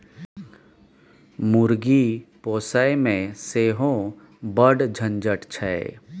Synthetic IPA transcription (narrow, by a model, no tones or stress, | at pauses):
muɾɡipoːsaemẽseːɦõ | bəɖd͡ʒʱə̃nd͡ʒəʈt͡ʃʰɛ